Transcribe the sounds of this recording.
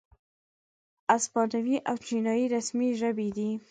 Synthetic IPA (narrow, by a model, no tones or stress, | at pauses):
aspɑnawiʔawt͡ʃinɑjiɾasmiʒəbed̪i